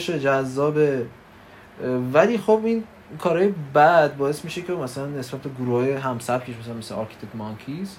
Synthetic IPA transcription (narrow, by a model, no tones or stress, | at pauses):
ʃed͡ʒæzːɒːbe | væliːxobin | kʰɒːɾɒːjebæd̪̚bɒːe̞smiːʃecʰeomæsælænːe̞sbæt̪̚beɡuɾuhɒːjeɦæmsæbcʰe̞ʃ̬mæs̬ælænmesḛɒːɾkʰi̥t̪ʰekmɒŋkʰis